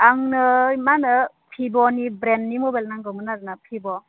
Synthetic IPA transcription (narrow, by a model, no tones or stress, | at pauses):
aŋnɯmanɯ | pʰibɔnibɾenːimobalnaŋɡɯmɯnazɯnapʰibɔ